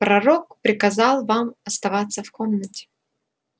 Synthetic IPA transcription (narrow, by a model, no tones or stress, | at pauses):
pɾɐɾok̚pɾʲɪkɐzɑlˠvamɐst̪ɐvat̪sːəfkomnətʲɪ̥